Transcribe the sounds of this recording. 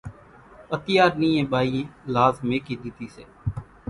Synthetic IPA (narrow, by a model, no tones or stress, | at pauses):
ət̪ɪjaːɾnĩːẽːbaːiːlaːzmẽːkiːd̪iːt̪iːsḛː